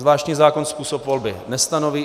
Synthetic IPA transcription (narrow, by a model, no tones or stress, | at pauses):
zvlaːʃcɲiːzaːkonspuːsopvo̞lbɪnɛst̪ano̞viː